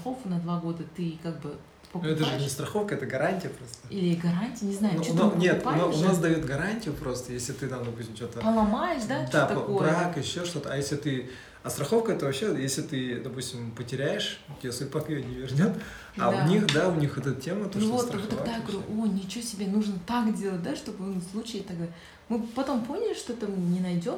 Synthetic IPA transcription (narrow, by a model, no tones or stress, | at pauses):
ɐxofkənɐd̪vaɡo̞d̪ət̪ɨkaɡ̚bɨ | pək̪nɛt̪əʐɨnʲɪst̪ɾɐxo̞fkəɛt̪əɡɐɾanʲtʲɪjəpɾo̞st̪əilʲɪɡɐɾanʲtʲɪjnʲɪznajnunanʲe̞t̪naʊnasd̪ɐjo̞t̪ɡɐɾanʲtʲɪjʊpɾo̞st̪əjesʲlʲɪt̪ɨt̪amd̪ɐpusʲtʲɪmt͡ɕo̞t̪əpəlˠɐmajɪʂd̪ad̪aɐbɾakɪɕːoʂt̪o̞t̪əɐjesʲlʲɪt̪ɨ | ɐst̪ɾɐxo̞fkəɛt̪əvɐpɕejesʲlʲɪt̪ɨd̪ɐpusʲtʲɪmpətʲɪɾʲæjɪʂttʲːɪjʲaspɐk̪ɨjenʲɪvʲɪrnʲot̪ | a̰ʊnʲixd̪aʊnʲixɛt̪ət̪tʲʰːemət̪onutvot̪t̪ɾvɨt̪ɐɡd̪ajaɡəvɐɾʲuʔonʲɪt͡ɕvotʲɪbʲenuʐnət̪akdʲe̞lˠət̚ʲd̪aʂt̪o̞bɨnuslˠut͡ɕɪjt̪ɐɡd̪a | mɨpɐt̪o̞mpo̞nʲɪlʲɪʂt̪oɛt̪əmɨnʲɪnɐjdʲo̞m